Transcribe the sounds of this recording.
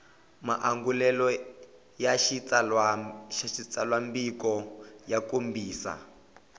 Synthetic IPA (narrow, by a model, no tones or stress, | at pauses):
ma̰ʔaŋɡulɛlɔ | jaʃit͡sa | ʃaʃit͡salwambikɔjakombiːsa̰